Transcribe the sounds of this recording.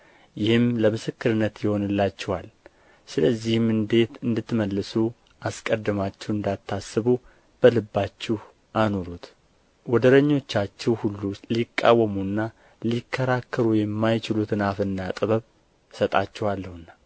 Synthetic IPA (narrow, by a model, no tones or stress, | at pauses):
jɪhɨmləmɨsɨkːɨɾɨnːət̪jɪho̞nɨlːat͡ʃːɛwal | sɨləzːihmɨnd̪e̞t̪ɨnd̪ɨt̪ːməlːɨsu | ʔaskʼəd̪ːɨmat͡ʃːɛwɨnd̪at̪ʰːasːɨβu | b̥əlɨbːat͡ʃːɪh | ʔanoɾut̪ | wɔd̪əɾəɲːo̞t͡ʃːat͡ʃːɛwhulːulikʼːa̰wːəmunːa | likʰːəɾakːəɾujɛmːajt͡ʃɪlut̪ʰɨnafɨnːat̪ʼɨβəβ | sət̪ʼat͡ʃːɛwalːəhɨnːa